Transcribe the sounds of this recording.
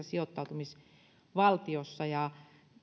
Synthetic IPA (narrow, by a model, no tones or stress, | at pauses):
ɑsiot̪ːɑut̪umis | ʋɑlt̪iosːɑjɑ